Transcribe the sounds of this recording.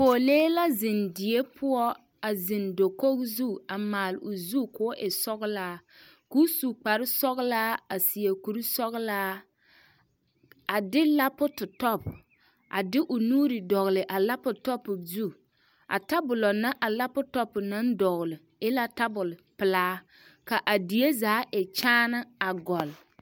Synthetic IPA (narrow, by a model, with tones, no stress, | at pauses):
poː˨leː˦la˦zɪ˨ndɪ˨e˦pʰʊ˦ɔ˦ | a˨zɪ˨ndo˨ko˦kzu˦a˨maː˨lʊ˨zu˦kʊ˦ʔɪ˨sɔ˦ɣlaː˦kuː˦su˨k͡pa˨ɾɪ˦sɔ˦ɣlaː˦a˨si˨e˨ku˨ɾi˦sɔ˦ɣlaː˦ | a˨dɪ˦la˦pʊ˦tʊ˨tɔ˦p | ʔa̰˨dɪ˦ʔʊ˨nuː˦ɾi˨dɔ˨ɣlɪ˨ʔa˨la˦pʊ˨tɔ˦pːʊ˨zu˦ | a̰˨ta˦bʊ˨lɔ˨na˦ʔa˨la˦pʊ˦tɔ˦pʊ˨na˦n˦dɔ˨ɣʊ˨lɪ˨ | ɪ˦la˦ta˦bʊ˨lpɪ˨laː˦ | ka˨ʔa˨di˨je˦zaː˨˦ʔɛ˨t͡ʃaː˦na˦a˨ɡɔ˨l